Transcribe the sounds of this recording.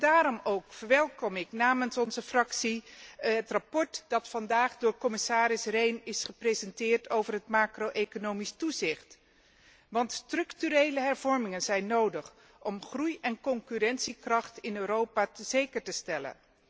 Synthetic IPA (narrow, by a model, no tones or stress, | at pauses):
daːɾɔmowkfəɹʋɛlˠkɔmɪknaːmənsɔnzəfrɑksiɦətrapɔɹtd̥ɑtfɑndaːχdʊːɹkɔmɪsaːɾɪsrejnɪsχəprezɛntɪːɹtowvərɦətmaːkrowʔejkonowmistuzɪχt | ʋɑntstrɵktyɾejləɦɛɹvɔɹmɪŋənzɛjnːowdəχ | ʔɔmχrujɛnkɔŋkyɾɛnsikrɑχtɪnøːɾowpaːtəzejkəɹtəstɛlə̰n